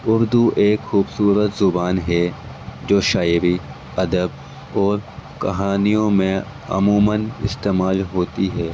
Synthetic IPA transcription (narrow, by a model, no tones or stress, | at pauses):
ʊɾd̪uʔeːkxuːbsuːɾət̪zʊbaːnɦɛ | d͡ʒoːʃaːɪɾi | ɐd̪əb | ɔːɾkɐ̰ɦaːnijõmẽ | ɐ̰muːmənɪ̰st̪eːmaːlɦoːt̪iɦɛː